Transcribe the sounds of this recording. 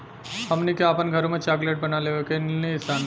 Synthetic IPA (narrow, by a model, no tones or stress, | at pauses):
hɐmnikeaːpənɡʱɐɾõmẽt͡ʃaːɡleʈ̚bɐnaleʋekennisan